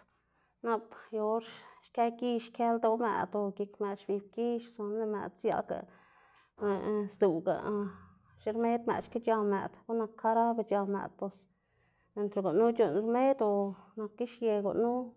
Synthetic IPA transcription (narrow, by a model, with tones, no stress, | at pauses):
na˧pjo˧ɾʃke˧˦ɡi˦˧ʃkʲe˦ld̪o˧˦mḛ˨d̪o˧ɡi˧kme˨t͡ʃbi˧b̚ki˦ʃso˧nle˧mḛ˨d̪sja̰˧ɡa̰˨ | e˨sd̪u˨ɡa̰˨ | ʃɾme˦d̪mḛ˨t͡ʃke˦t͡ʃa˧mḛ˨d̪ɡu˦na˧kʰːa˦ɾa˦be˧t͡ʃa˧mḛ˨d̪po˧s | e˧nt̪ɾe˧ɡo˨ʔnu˦t͡ʃu˧˨nɾme˦d̪o˧na˧kːi˦ʃje˧ɡo̰˨nu˦